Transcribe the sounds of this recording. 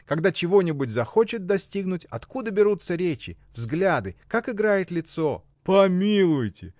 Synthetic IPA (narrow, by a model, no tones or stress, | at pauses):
kɐɡd̪at͡ɕɪvo̞nʲɪbʊtʲzɐxot͡ɕɪt̪̚d̪ɐsʲtʲiɡnʊtʲɐt̪kud̪əbʲɪɾut̪səɾʲet͡ɕɪ̰ | vzɡlʲad̪ɨkakɪɡɾajɪt̪lʲɪt̪so | pɐmʲilˠʊjtʲɪ̰